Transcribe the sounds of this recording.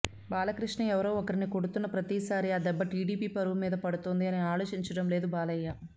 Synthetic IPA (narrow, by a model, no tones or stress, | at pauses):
baːlɐkɾiʂɳɐɛʋɐɾoːɔkɐɾiniko̞ɽut̪unːɐpɾɐt̪isaːɾiaːd̪ɛbːɐʈiːɖiːpiːpɐɾuʋumiːd̪ɐpɐɽut̪ond̪iɐniaːloːt͡ʃiɲt͡ʃɐɽɐmle̞ːd̪ubaːlɐjːɐ